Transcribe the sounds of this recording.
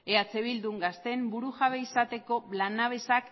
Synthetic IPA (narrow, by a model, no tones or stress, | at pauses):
e̞at͡se̞βild̪uŋɡast̪e̞mbuɾuʝaβeisat̪e̞ko̞lanaβ̞e̞sak